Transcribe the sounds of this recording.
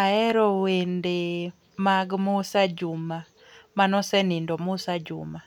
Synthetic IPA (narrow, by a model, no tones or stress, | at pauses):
aɛɾɔwende | maɡmʊsad͡ʒuma | manɔsɛnindɔmusad͡ʒṵma